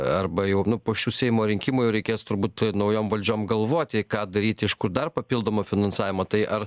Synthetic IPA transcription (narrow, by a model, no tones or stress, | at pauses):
ɐrbɐjɛʊnʊpoːʃʲuːsʲɛɪjmoːɾʲɪŋʲkʲɪmʊjɛʊɾʲɛɪkʲeːst̪ʊɾbuːt̪nɐʊjoːmʋɐlʲd͡ʒʲoːmɡɐlˠʋoːt̪ʲɪkɑːd̪ɐɾʲiːt̪ʲɪɪʃkʊɾd̪ɐrpɐpʲilˠd̪oːmoːfʲɪnɐnsɑːʋʲɪmɐːt̪ɐɪʔɐr